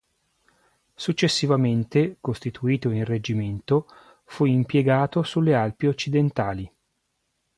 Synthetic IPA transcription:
sut͡ʃːesːivament̪ekost̪it̪uiːt̪oinred͡ʒiment̪o | fuimpjeɡaːt̪osulːealpiot͡ʃːid̪ent̪aːli

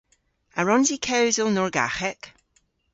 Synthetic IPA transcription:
aɹɔnzikʰɛwzəlˠnɔɹɡa̰xɛk

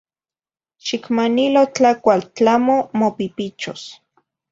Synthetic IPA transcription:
ʃikmanilot͡ɬakʷalt͡ɬamomopipit͡ʃos

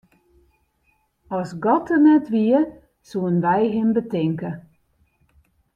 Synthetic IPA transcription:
ɔsɡɔtʰənɛtʋiə | suənʋɛjɦɪmbətɪŋkə

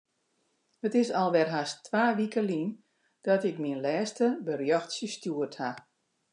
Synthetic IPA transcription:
hətɪsɔlˠʋɛrɦastʋaːʋikəlin | d̥ɔtɪkminlɛːstəbərjɔxtsjəstjuətha

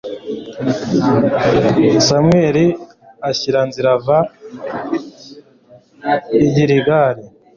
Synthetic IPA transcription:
samweːɾi | açiɾanziɾava | iɟiɾiɡaɾi

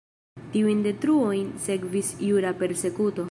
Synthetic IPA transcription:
tiujnde̞tɾuo̞jnse̞kvisjuɾape̞ɾse̞kuto̞

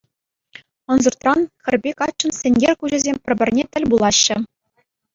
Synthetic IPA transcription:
ɤ̆nzurt̪rɑnxʲɘ̆rʲbʲekɑt͡ɕːɤ̆nsʲɘ̆nʲɡʲerʲkuʑɘ̆zʲemʲpʲɘ̆rʲbʲɘ̆rʲnʲet̪ʲɘ̆lʲbulˠɑɕːɘ̆

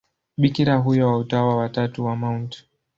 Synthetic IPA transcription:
ɓikiɾaɦujɔwautawawatatuwamaunt

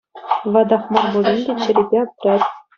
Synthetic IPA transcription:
ʋɑd̪ɑχmɑrbŭlʲinʲdʲet͡ɕɘ̆ɾʲebʲeɑp̚ʲrʲɑt̪ʲ

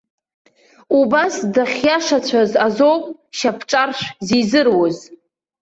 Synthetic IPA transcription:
ubasdaχʲjaʂat͡ɕʷʰazazowpʼʃapʰʈ͡ʂʼarʃᶣʷzizɨrwʊz

